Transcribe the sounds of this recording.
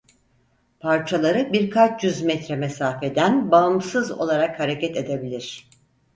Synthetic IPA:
pʰaɾt͡ʃʰalˠaɾɯbiɾkʰat͡ʃjyzmɛt̪ɾɛmesaːfed̪ænbaɯmsɯzo̞̰lˠaɾakhaɾe̞cɛt̪e̞d̪e̞bilʲiɾ̝̥

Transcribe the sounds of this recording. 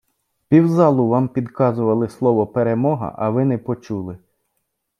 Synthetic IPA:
pʲiwzɑlˠʊʋɑmpʲid̪kɑzʊʋɐlˠɪslˠɔʋɔpeɾemɔɦɐ̰ʔɐʋɪnɛpɔt͡ʃulˠɪ

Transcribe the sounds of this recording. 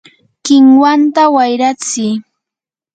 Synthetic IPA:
kɪŋwant̪awajɾat͡sɪː

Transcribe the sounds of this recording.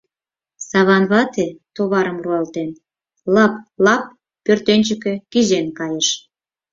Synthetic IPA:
sɑβɑnβɑt̪et̪oβɑɾəmruɑlt̪en | lɑplɑp̚ː | ørt̪enʲt͡ɕəkĕkizenkɑjeʃ

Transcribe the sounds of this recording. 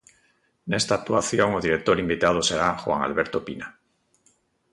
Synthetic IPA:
ne̞st̪aːk̚t̪uaθjo̞ŋoðiɾek̚t̪o̞ɾimbit̪að̞oseɾaxwa̰ŋa̰lβeɾt̪opina

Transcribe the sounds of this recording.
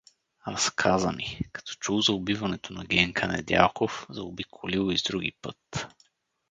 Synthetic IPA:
ɾɐskʰazɐmikɐ̥t̪ɔ̥t͡ʃuwˠzɐʊbivɐnɛt̪onɐɡɛŋkʰɐnɛ̰d̪ʲja̰lˠkofzɐobikʰolilˠizd̪ɾuɡḭpɤt̪

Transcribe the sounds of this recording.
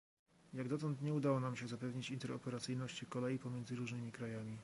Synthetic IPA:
jaɡd̪ɔt̪ɔnt̪ɲɛud̪awɔnamɕɛzapɛvɲit͡ɕint̪ɛɾɔpɛɾat̪sɘjnɔɕt͡ɕikɔlɛjipɔmʲɛndzɘɾuʐnɘmʲikɾajamʲi

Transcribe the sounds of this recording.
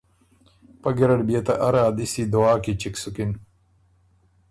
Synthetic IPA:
pɐɡiɾɐɽbijɐt̪ɐʔɐɾaːd̪isid̪owaːkit͡ɕiksukin

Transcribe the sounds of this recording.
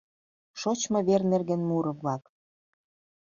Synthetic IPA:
ʃot͡ɕmɤ̆βernerɣĕnmuɾɤ̆βlɑk

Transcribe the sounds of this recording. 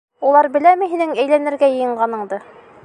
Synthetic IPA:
ulˠɑɾbɘ̆læmɘ̆ɦinɘŋæjlænɘ̆ɾɡæjɤ̆jɤ̆ɴɢɑnɤ̆ɴd̪ɤ

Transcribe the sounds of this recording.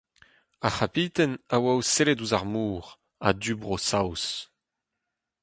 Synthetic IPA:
aχapiːt̪ɛnawawselɛduzaʁmuːʁ | a̰dybʁosaws

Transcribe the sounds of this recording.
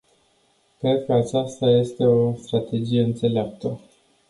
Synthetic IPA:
kɾe̞d̪̚kəat͡ʃast̪aje̞st̪e̞o̞st̪ɾat̪e̞d͡ʒije̞ɨnt̪se̞leap̚t̪ə

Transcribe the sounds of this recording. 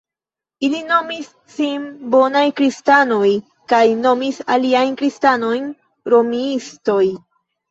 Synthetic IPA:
ilino̞misːimbo̞najkɾistano̞j | kajno̞misaliajnkɾistano̞jn | ɾo̞miisto̞j

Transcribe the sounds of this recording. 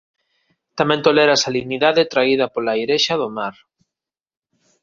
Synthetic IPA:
t̪amẽnt̪olɛɾasaliɣniðaðet̪ɾaiðɐpolajɾeʃaðomaɾ

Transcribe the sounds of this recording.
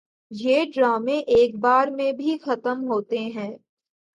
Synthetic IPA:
jeːɖɾaːmẽʔeːk̚baːɾmẽbʱixɐt̪əmɦoːt̪eɦɛ̃ː

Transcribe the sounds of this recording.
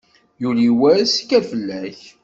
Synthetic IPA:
juliwæskæfəlːæç

